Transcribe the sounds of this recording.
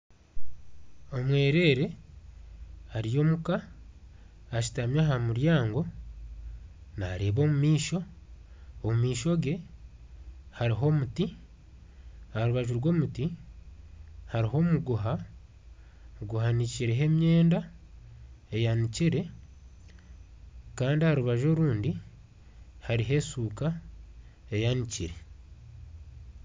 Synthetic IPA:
o̞mwe̞ːɾe̞ːɾe̞ | haɾijo̞ːmuka | ʃi̥tamjaɦamuɾjaːŋɡo̞ | na̰ɾeːβo̞ːmumiːʃo̞ː | mumiːʃo̞ɡe̞ | haɾiɦo̞muti | haɾuβaʒuɾɡwo̞ːmuti | haɾiɦo̞muɡuɦa | ɡuɦaniciɾeɦe̞mje̞ːnda | e̞janiciɾe̞ | kaːndihaɾuβaʒo̞ɾuːndi | haɾiɦe̞ːsuːka | e̞janiciɾe̞

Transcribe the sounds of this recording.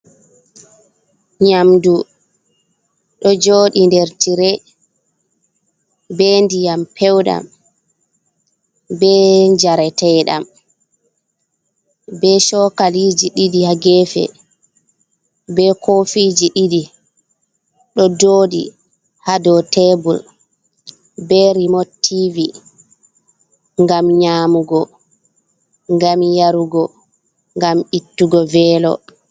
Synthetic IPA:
ɲamdu | ɗɔd͡ʒoːɗindɛɾtiɾɛ | bɛndijampʰɛwɗa̰m | bɛɲd͡ʒaɾɛtɛɗa̰m | bɛʃɔkaliːd͡ʒiɗidihaɡɛːfɛ̰ | bɛkʰofid͡ʒiɗiɗi | ɗɔdoːɗḭ | hadɔtɛbul | bɛɾimotʰːivi | ŋɡamɲaːmuɡɔ | ŋɡamjaɾuɡɔ | ŋɡamitːuɡɔvɛːlɔ̰

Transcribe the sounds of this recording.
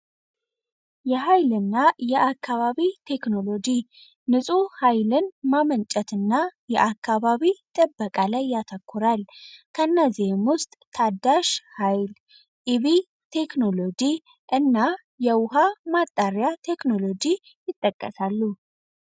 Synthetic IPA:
jɛɦajlɨnːajɛʔakʰːaβaβit̪ʰe̞kno̞lo̞d͡ʒi | nɨsʼuhajlɨnmamənt͡ʃʼɛt̪ɨnːajɛʔakːaβaβit̪ʼɨbːəkʼalajːat̪ʰəkʰːuɾalkʰəɨnːəzihemwʊst̪ʼt̪ʰad̪ːaʃhajl | ʔiβi | t̪ʰe̞kno̞lo̞d͡ʒi | ʔɨnːa | jɛwʊɦamat̪ʼːaɾjat̪ʰe̞kno̞lod͡ʒi | jɪt̪ʼːəkʼːəsalːu

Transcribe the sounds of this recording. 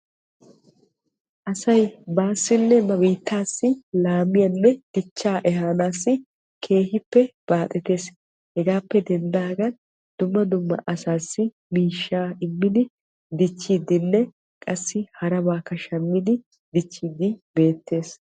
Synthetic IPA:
ʔɐsɐjbaːsːɪnːɛmɐbiːt̪ʰːaːsːɪlaːmɪjɐnːɛd̪̥ɪt͡ʃːaːʔɛɦaːnaːsːɪ | kʰe̞ːɦɪpːɛb̥aːt̪ʼɛt̪e̞ːs | hɛɡaːpːɛd̪ɛnd̪aːɡɐn | d̪̥ʊmːɐd̪ʊmːɐ̰ʔɐsaːsːɪ | miːʃːaːɪmːɪd̪ɪ | d̪ɪt͡ʃːid̪ɪnːɛ | kʼɐsːɪhɐɾɐbaːkːɐʃɐmːɪd̪ɪ | d̪ɪt͡ʃːid̪ɪbe̞ːt̪ːe̞ːs

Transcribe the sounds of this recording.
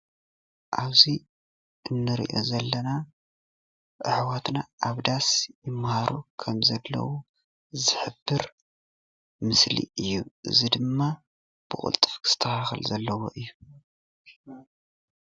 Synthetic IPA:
ʔaβzi | ɨnːɨɾḭʔozɐlːɐna | ʔɨʕwat̪naʔaβd̪asjɪmːhaɾukʰɐmzɐlːɐ̰wo | zɨħɨbːɨɾ | mɨslḭɨjːuʔɨ̰zid̪ɨmːa | b̥ɨkʼʊ̰lt̪ʼɨfkʰz̥ɨ̥t̪ʰɐxaxɨ̰lzɐlːɐwo̰ʔɨjːu

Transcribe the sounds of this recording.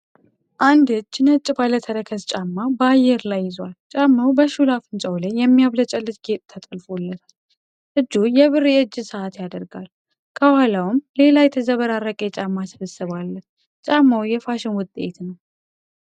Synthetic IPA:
ʔand̪ɨd͡ʒːnət͡ʃʼbalət̪ʰəɾəkʰəst͡ʃʼamːabəajːɛɾlajːɪzwalt͡ʃʼamːawbəʃulafɨnt͡ʃʼəwlejɛmːijaβlət͡ʃʼəlːɨt̪ʼɡet̪ʼt̪ʰət̪ʼɨlfolːət̪ʰal | ʔɨd͡ʒːujɛβɨrjɛɨd͡ʒːɨsəat̪jad̪əɾɡal | kʰəwalawɨmle̞lajɛt̪ʰəzəβəɾaɾːəkʼet͡ʃʼamːasɨβəsːɨβalːən | t͡ʃʼamːawjɛfaʃɪnwʊt̪ʼḛt̪nəw

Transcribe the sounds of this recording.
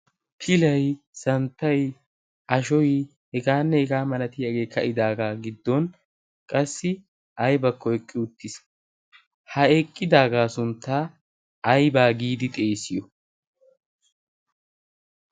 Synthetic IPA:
pʰɪlɐj | sɐnt̪ːɐj | ɐʃɔj | hɛɡaːnːɛhɛɡaːmɐnɐt̪ɪjɐɡe̞ːkʰːɐʔɪd̪aːɡaːɡɪd̪ːɔn | kʼɐsːɪ | ʔɐjbɐkʰːɔɛkʼːɪʊt̪ːɪs | hɐɛkʼːɪd̪aːɡaːsʊnt̪ːaː | ɐjbaːɡiːd̪ɪt̪ʼe̞ːsɪjɔ

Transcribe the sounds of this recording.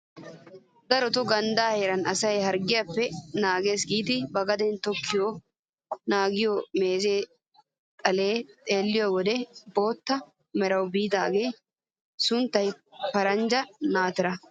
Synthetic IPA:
d̪ɐɾɔt̪ʊɡɐnd̪aːheːɾɐnɐsɐjhɐɾɡɪjɐpːɛnaːɡe̞ːsɡiːt̪ɪbɐɡɐd̪ɛnt̪ɔkʰːɪjoː | naːɡɪjoːme̞ːze̞ː | t̪ʼɐleːt̪ʼe̞ːlːɪjoːwɔd̪ɛbo̞ːt̪ːɐ | mɛɾɐwbiːt̪a̰ːɡeː | sʊnt̪ːɐjpɐɾɐnd͡ʒɐnaːt̪ɪɾɐ

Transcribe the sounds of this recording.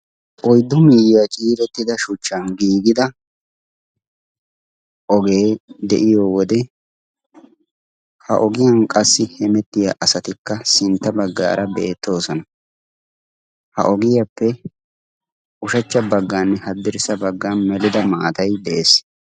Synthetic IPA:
ʔɔjd̪ːʊmiːjat͡ʃʼiːɾɛt̪ːɪd̪ɐʃʊt͡ʃːɐnɡiːɡɪd̪ɐ | ʔɔɡe̞ːd̪ɛʔɪjoːwɔd̪ɛ | hɐ̰ʔɔɡɪjankʼɐsːɪhɛmɛt̪ːɪjaːʔɐsɐt̪ɪkːɐsɪnt̪ːɐbɐɡːa̰ːɾʔɐbe̞ːt̪ːo̞ːsɔnɐ | hɐ̰ʔɔɡɪjɐpːɛ | ʔʊʃɐt͡ʃːɐbɐɡːaːnːɛhɐd̪ːɪɾɪsɐbɐɡːaːnmɛlɪd̪ɐmaːt̪ɐjd̪ɛʔeːs

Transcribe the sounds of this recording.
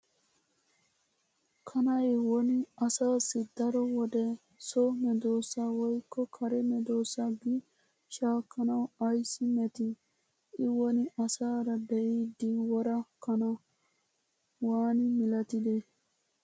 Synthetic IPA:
kʰɐnɐjwɔnɪɐsaːsɪd̪ɐɾɔwɔd̪ɛ | sɔmɛd̪oːsawɔjkːɔkʰɐɾɛmɛd̪oːsɐɡi | ʃaːkːɐnɐwɐjsɪmɛt̪ɪ | ɪwɔnɪʔɐsaːɾɐbɛʔiːd̪iwɔɾɐkɐnɐ | waːnɪmɪlɐt̪ɪd̪e

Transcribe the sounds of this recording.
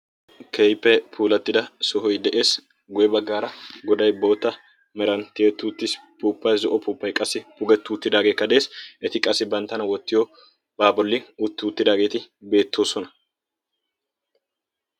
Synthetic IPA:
kʰejpːɛpʰuːlɐt̪ːɪd̪ɐsɔɦɔjd̪ɛʔe̞ːs | ɡʊjɛbɐɡːaːɾɐɡɔd̪ɐjbo̞ːt̪ːɐ | mɛɾɐnt̪ːɪeːt̪ːuːt̪ːɪspuːpːɐjzɔʔɔpuːpːɐjkʼɐsːɪpʊɡɛt̪ːuːt̪ːɪd̪aːɡeːkːɐd̪e̞ːsʔɛt̪ɪkʼɐsːɪbɐnt̪ːɐnɐwɔt̪ːɪjo | b̥aːbɔlːɪʊt̪ːɪʊt̪ːɪd̪aːɡeːt̪ɪbe̞ːt̪ːo̞ːsɔnɐ

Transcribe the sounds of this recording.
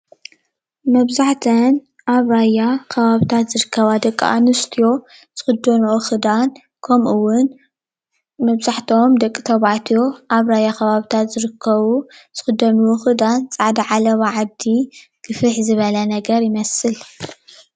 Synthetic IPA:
mɐβzaħt̪ʰɐn | ʔaβɾajːakʰɐβaβit̪ʰat̪zɨɾɨkʰːɐβad̪ɐkʼːʔa̰nɨst̪ʰijo̞ | z̥ɨxɨd̪ːɐnuxɨd̪an | kʰɐmʔuwːʊn | mɐβzaħt̪ʰo̞md̪ɐkʼːit̪ʰɐβaʕt̪ʰjo̞ʔaβɾajːakʰɐβaβit̪ʰat̪zɨɾɨkʰːɐβuz̥ɨxɨd̪ːɐnuxɨd̪ant͡sʼaʕd̪iʕalɐβaʕab̚d̪iɡ̥ɨfɨħzɨβɐlɐnɐɡɐɾjɪmɐsɨl

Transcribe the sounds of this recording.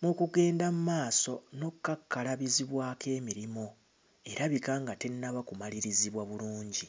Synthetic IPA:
mukuɡe̞ːndamumaːso̞no̞kːakːalaβiziβwaːkʰe̞ːmiɾimo̞ | e̞ɾaβikaŋɡate̞nːaβakumaliɾiziβwaβuluːɲɟi

